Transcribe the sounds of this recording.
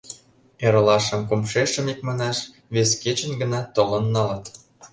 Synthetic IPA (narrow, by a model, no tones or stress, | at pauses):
eɾə̆lɑʃə̆mkumʃeʃə̆mik̚mɑnɑʃ | βesket͡ɕə̆nɡə̆nɑt̪olənːɑlə̆t̪